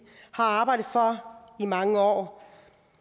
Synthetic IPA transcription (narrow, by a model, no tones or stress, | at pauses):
hɑ̈ɑ̈ːb̥ɑ̈ɪ̰dð̩ˠfɒɐimɑ̈ŋəɒ̰ː